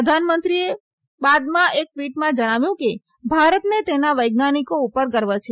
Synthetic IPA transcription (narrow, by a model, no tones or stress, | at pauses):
əd̪ʱanmənt̪ɾie | bad̪mãʔek̚ʋiʈmãd͡ʒəɽ̃aʋjũke | bʱaɾət̪net̪enaʋəjɡnanikoupəɾkəɾʋat͡ʃʰe